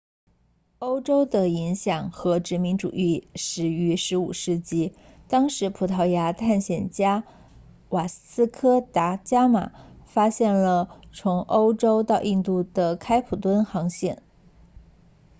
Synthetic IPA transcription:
o˥ʊʈ͡ʂo˥ʊd̪ə˨i˧˥ŋɕjɑ˨˩ŋxɤ˧˥ʈ͡ʂɻ̩˧˥mi˧˥nʈ͡ʂṵ˨˩i˥˧ʂɻ̩˧˥y˧˥ʂɻ̩˧˥u˨˩ʂɻ̩˥˩t͡ɕi˥˩ | t̪ɑ˥ŋʂɻ̩˧˥pʰu˨˩t̪ʰɑ˧˥ʊja˧˥t̪ʰa˥˩nɕjɛ˨˩nt͡ɕja˥ | wa˨˩sɹ̩˥kʰɤ˥t̪a˧˥t͡ɕja˥ma̰˨˩fa˥ɕjɛ˥˩nlə˩t͡sʰʊ˧˥ŋʔo˥ʊʈ͡ʂo˥ʊt̪ɑ˥˧ʊʔi˥˧nt̪u˥˩d̪ə˩kʰa˥ɪpʰu˨˩t̪wə˥nxɑ˧˥ŋɕjɛ˥˩n

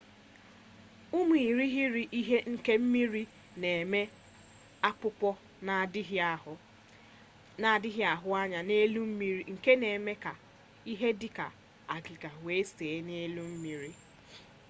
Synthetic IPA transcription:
u˦mu˨i˨ɾi˦ɦɪ˦ɾi˨ʔi˦ɦe˦ŋ̩˦ke˦m̩˦mi˦ɾi˦ | ne˨me˦ | a˦k͡pʊ˦pɔ˦˨˦ | na˦˨dɪ˦ɦɪ˦a˨ɦʊ˦a˦ɲa˨ne˦lu˦m̩˦mi˦ɾi˦ŋ̩˨ke˦ne˨me˦ka˨ | i˦ɦe˦dɪ˦ka̰˨ | a˨ɡɪ˨ɡa˨we˦seː˨e˦ne˦lu˦m̩˦mi˦ɾi˦

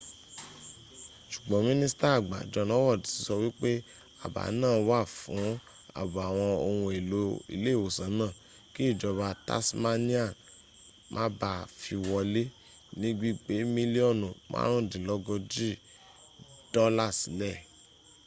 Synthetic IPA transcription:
ʃu̥˨ɡ͡bɔ̃˨˦mĩ˦nĩ˦si˦ta˦a˨ɡ͡ba̰˨d͡ʒɔ˨˧lɔ˦wɔ˦˨di˨˦ti˨˦sɔ˧wi˦k͡pe˦ | a˦˨ba̰˨˦nãː˦˨wa˦˨fũ˨˦ | a̰˦˨bo˨a˨w̃ɔ̃˧o˧wũ˧e˨lo˧˦ḭ˧le˦˨wo˨sã˨˦nãː˦˨ | ki˦i˦˨d͡ʒɔ˧ba˧ta̰˦sma˦nĩ˦a˦˨ | mʔã̰˦ba˧˨fi˧wɔ˧le˦ | nĩ˦ɡ͡bi˦k͡pe˨˦mĩ˦li˦ɔ˦˨nũ˨mʔã̰˦ɾ̃ũ˦˨dĩ˨lɔ˦ɡɔ˧d͡ʒi˦˨ | d̥ɔ˦la˦˨si˨˦lɛ˦˨

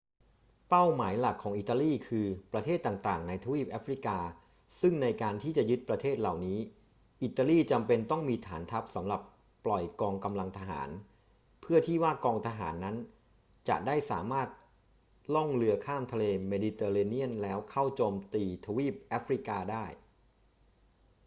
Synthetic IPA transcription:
pa˥˩wmaː˩˦jla˨˩kʰːɔː˩˦ŋʔi˨˩t̪ːa˧liː˥˩kʰɯː˧pɾa˧t̪ʰeː˥˩t̪ːaː˨˩ŋt̪aː˨˩ŋna˧jt̪ʰa˧wiː˥˩p̚ʔaː˦˥fɾi˦˥kaː˧ | sɯ˥˩ŋna˧jkaː˧nt̪ʰiː˥˩t͡ɕa˨˩jɯ˦˥t̪̚pɾa˧t̪ʰeː˥˩t̪̚la˨˩wniː˦˥ | ʔi˨˩t̪ːa˧liː˥˩t͡ɕa˧mpe˧nt̪ɔ˥˩ŋmiː˧t̪ʰaː˩˦nt̪ʰa˦˥p̚sa˩˦mɾa˨˩pː | lɔ˨˩jkɔː˧ŋka˧mla˧ŋt̪ʰa˧ɦa̰ː˩˦n | pʰɯ˥˩ɐt̪ʰiː˥˩waː˥˩kɔː˧ŋt̪ʰa˧ɦaː˩˦nːa˦˥n | t͡ɕa̰˨˩ʔdaː˥˩jsaː˩˦maː˥˩t̪̚ | lɔ˥˩ŋlɯ˧ɐkʰaː˥˩mt̪ʰa˧leː˧meː˧di˧t̪eː˧ɾe˧ni˥˩ənlɛː˦˥wkʰa˥˩wt͡ɕoː˧mt̪iː˧t̪ʰa˧wiː˥˩p̚ʔaː˦˥fɾi˦˥kaː˧daː˥˩j

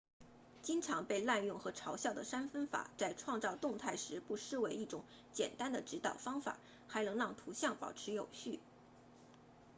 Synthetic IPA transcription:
t͡ɕi˥ŋʈ͡ʂʰɑ˧˥ŋpe˥˧ɪla˥˧njʊ˥˩ŋxɤ˧˥ʈ͡ʂʰɑ˧˥ʊɕjɑ˥˩ʊd̪ə˩ʂa˥nfə˥nfa̰˨˩t͡sa˥˧ɪʈ͡ʂʰwɑ˥˧ŋt͡sɑ˥˧ʊt̪ʊ˥˧ŋt̪ʰa˥˩ɪʂɻ̩˧˥pu˥˧ʂɻ̩˥˧we˧˥ɪi˥˩ʈ͡ʂʊ˨˧˥ŋ | t͡ɕjɛ̰˨˩nt̪a˥nd̪ə˨ʈ͡ʂɻ̩˧˥t̪ɑ˨˩ʊfɑ˥ŋfa̰˨˩ | xa˧˥ɪnɤ˧˥ŋɻɑ˥˩ŋt̪ʰu˧˥ɕjɑ˥˩ŋpɑ̰˨˩ʊʈ͡ʂʰɻ̩˧˥jo˨˩ʊɕy˥˩

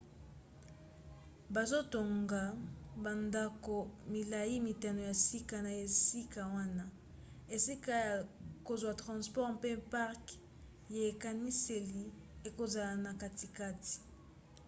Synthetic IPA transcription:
ba˨zo˦to˨ŋɡa˨ba˨nda˦ko˨mi˨la˨ji˦mi˨ta˨no˨ja˨si˦ka˨na˨e˨si˦ka˨wa˦na˦ | e˨si˦ka˦ja˨ko˨zwa˨tʁɑ̃˨spɔ˦ʁpe˦pa˦ʁk | je˨e˨ka˨ni˦se˨li˨ | e˨ko˨za˨la˨na˨ka˨ti˨ka˦ti̥˨

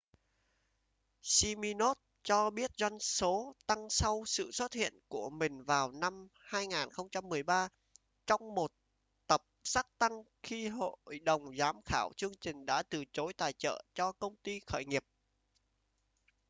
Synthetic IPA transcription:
si˧mi˧no˦˥t̚ | t͡ɕɔ˧ɓi˦˥ət̚zwa˧jŋso˨˦t̪a˧ŋsa˧wsɨ̰˧˨swə˦˥t̚hḭ˧˨ənku˧˩əmï˨˩ŋ̟vaː˨˩wna˧mhaː˧jŋaː˨˩nxə˧wŋ͡mt͡ɕa˧mː˨˩əjɓaː˧ | t͡ɕɔ˧wŋ͡mmo˨˩t̚ | t̪ə˨˩p̚saː˦˥k̚t̪a˧ŋ | xi˧ɦo̰˧˨jɗə˨˩wŋ͡mzaː˨˦mxaː˧˩wt͡ɕɨ˧əŋt͡ɕï˨˩ŋ̟ɗa̰ː˧˥t̪ɨ˨˩t͡ɕo˨˦jt̪aː˨˩jt͡ɕə̰ː˧˨t͡ɕɔ˧kə˧wŋ͡mt̪i˧xəː˧˩jŋi˨˩əp̚

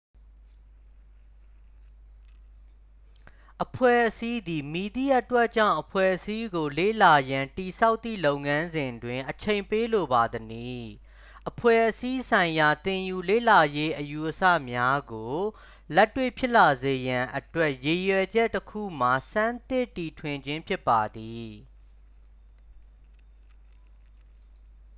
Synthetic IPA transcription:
ʔəpʰwɛ̰˦˨ʔəsi˦d̪i˨mi˨d̪ḭ˦˨ʔə˦twɛ˦ʔt͡ɕã̰˦˨ʊ̃ʔəpʰwɛ̰˦˨ʔəsi˦ɡo˨lḛ˦˨la˨jã˨nti˨sʰa˦ʊt̪ːḭ˦˨lo˦ʊ̃ŋã˦nzɪ̃˨ndwɪ̃˨ʔət͡ɕʰẽ˨ɪ̃mpe˦lo˨ba˨d̪əni˨ | ʔəpʰwɛ̰˦˨ʔəsi˦sʰã˨ɪ̃ja˨t̪ɪ̃˨ju˨lḛ˦˨la˨je˦ʔəju˨ʔəsä̰˦˨mja˦ɡo˨ | lɛ˦tːwḛ˦˨pʰjɪ˦ʔla˨ze˨jã˨ʔətwɛ˦ʔje˨jwɛ˨d͡ʑɛ˦ʔtːəkʰṵ˦˨m̥a˨sã˦nt̪ɪ˦˨tːi˨tʰwɪ̃˨ɲd͡ʑɪ̃˦mpʰjɪ˦pːa˨d̪i˨

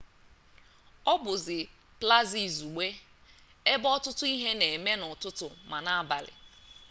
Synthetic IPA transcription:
ɔ˦bʊ˨zɪ˨ | pla˦zi˨zu˨ɡ͡be˦ | e˦bɔ˦tʊ˦tʊ˦i˦ɦe˦ne˨me˦nʊ˨tʊ˦tʊ˨ma˨na˦a˦ba˨lɪ̰˨

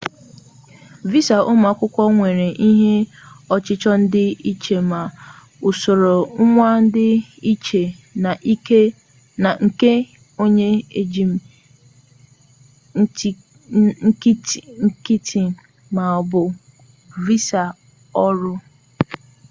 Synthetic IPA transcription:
vi˦sa˨ʔʊ˦ma˨kʷʊ˦kʷɔ˦ŋʷe˨ɾe˨ʔi˦ɦe˦ɔ˦t͡ʃɪ˦t͡ʃɔ˦n̩˦dɪ˦i˦t͡ʃe˨ma˨ | ʊ˨so˨ɾo˨ŋ̩˦ŋʷa˦n̩˦dɪ˦i˦t͡ʃe˨na˨ʔi˦ke˦ | na˨ŋ̩˨ke˦ | o˦ɲe˦e˦d͡ʒi˨m˨˦ | ŋ̩˦kŋ̩˦ki˦tʰi˨ | ma˨ɔ˨bʊ˨ | vi˦sa˨ | ɔ˦ɾʊ˦

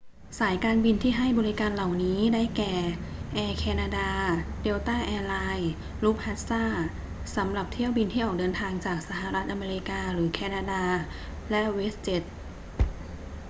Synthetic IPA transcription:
saː˩˦jkaː˧nbi˧nt̪ʰiː˥˩ɦa˥˩jbɔː˧ɾi˦˥kaː˧nla˨˩wniː˦˥daː˥˩jkɛː˨˩ʔɛː˧kʰɛː˧naː˧daː˧de˧wt̪aː˥˩ʔɛː˧laː˧j | luː˦˥˩p̚ha˦˥t̪̚saː˥˩ | sa˩˦mɾa˨˩p̚t̪ʰi˥˩əwbi˧nt̪ʰiː˥˩ʔɔː˨˩k̚dɤː˧nt̪ʰaː˧ŋt͡ɕaː˨˩k̚sa˧ɦa˨˩˦ɾa˦˥t̪̚ʔa˧meː˧ɾi˦˧˥kaː˧ɾɯː˩˦kʰɛː˧naː˧daː˧ | lɛ˦˥ʔweː˦˥s̚t͡ɕe˨˦˥t̪̚

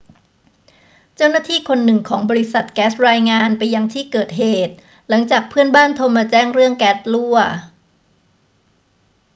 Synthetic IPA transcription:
t͡ɕa˥˩wna˥˩t̪ʰiː˥˩kʰo˧nːɯ˨˩ŋkʰɔː˩˦ŋbɔː˧ɾi˦˥sa˨˩t̪̚kɛː˦˥s̚ɾaː˧jŋaː˧npa˧jːa˧ŋt̪ʰiː˥˩kɤː˨˩t̪̚ɦeː˨˩t̪̚ | la˩˦ŋt͡ɕaː˨˩k̚pʰɯ˥˩ənbaː˥˩nt̪ʰo˧maː˧t͡ɕɛː˥˩ŋɾɯ˥˩əŋkɛː˦˥t̚lu˥˩ɐ

